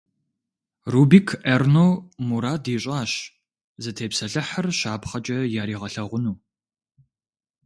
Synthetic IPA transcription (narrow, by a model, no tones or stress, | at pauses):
rubiːkʰernowmuɾaːdiːɕʼaːɕ | zɐtʰeːpsɐɬɨħərɕaːpχɐt͡ʃʼɐjaːɾiːʁɐɬɐʁʷʊnuː